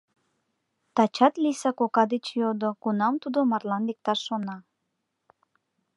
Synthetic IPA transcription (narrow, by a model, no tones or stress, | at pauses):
t̪ɑt͡ɕɑt̪lisɑkokɑd̪et͡ɕjod̪okunɑmt̪ud̪omɑrlɑnlek̚t̪ɑʃːonɑ